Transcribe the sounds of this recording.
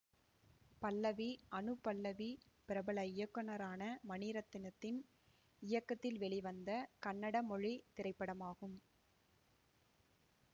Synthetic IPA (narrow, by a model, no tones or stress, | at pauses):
pɐlːɐʋiʔɐnɯpːɐlːɐʋipɪɾɐbɐɭɐɪjɐkːɯnɐɾaːnɐmɐniːɾɐt̪ːɪnɐt̪ːɪn | ɪjɐkːɐt̪ːɪlʋɛɭɪʋɐnd̪ɐkɐnːɐɽɐmɔɻit̪ɪɾɐɪpːɐɽɐmaːɣɯm